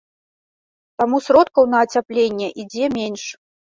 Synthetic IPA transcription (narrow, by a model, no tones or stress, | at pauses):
t̪amusɾɔt̪̚kɐwn̪ɐːt͡sʲaplʲenʲːɛʔid͡zʲɛmʲenʲʂ